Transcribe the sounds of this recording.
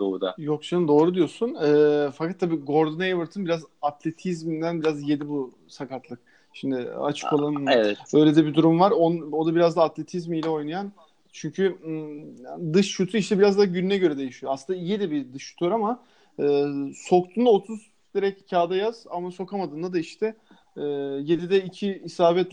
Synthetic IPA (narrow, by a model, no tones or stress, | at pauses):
d̪o̰d̪a̰jo̞ksand̪o̞ːɾud̪ijo̞sunɛːfakʰat̪ʰːabiːɡo̞ɾd̪unaevɯɾt̪ʰɯnbiɾazat̪ʰlʲe̞t̪ʰizmind̪ænbiɾazje̞d̪ibu | sakat̪ʰlˠɯk̚ | ʃimd̪ɪa̰t͡ʃʰɯ̥ko̞lˠanɯɛvɛbø̞jlʲed̪ɛbid̪uɾumvaɾono̞d̪abiɾazd̪aːt̪lʲe̞t̪ʰizmilʲɛo̞jnajan | t͡ʃʰyɲcʰy | d̪ɯʃːut̪ʰuiʃt̪ʰɛbiɾazd̪aɟynynɛɟø̞ɾɛd̪e̞jiʃijoaslˠɯnd̪aijed̪ɛbid̪ɯʃːu̥t̪ʰyjoɾama | ɯːso̞k̚t̪ʰuːnd̪aot̪ʰuz | d̪̥iɾɛccʰaːd̪ajaz̥amaso̞kamad̪ɯːnd̪ad̪aiʃt̪ʰɛː | je̞d̪id̪ɛicʰiːsaːbɛt̪